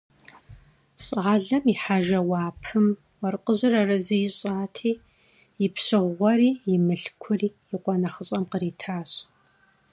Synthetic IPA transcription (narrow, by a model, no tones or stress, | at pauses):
ɕʼaːɮɐmiħaʒɐwɑːpʰɨm | wɐrqʼəʑɨrɐrɨzijɪɕʼaːtʰiː | jɪpɕɨʁʷʁʷɔɾiːjɪmɨɬkʷʰʊriːjɪqʷʼɔnɐχəɕʼɐmqəɾiːtʰaːɕʼ